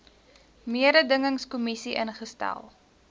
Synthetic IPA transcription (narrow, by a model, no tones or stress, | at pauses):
miəɾədəŋəŋskumisiʔənχəstæ̰lˠ